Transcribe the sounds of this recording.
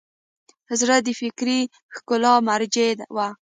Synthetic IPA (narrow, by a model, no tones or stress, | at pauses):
hazɾad̪ifɪkɾi | xkʊlɑmaɾd͡ʒed̪wa